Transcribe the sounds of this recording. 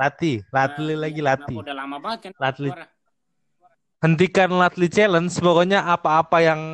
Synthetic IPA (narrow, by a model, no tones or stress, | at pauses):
lat̪ilat̪lilaɡilat̪i | lat̪li | hənt̪ikanlat̪lit͡ʃɛlənsəpɔkɔɲaʔapaːpajaŋ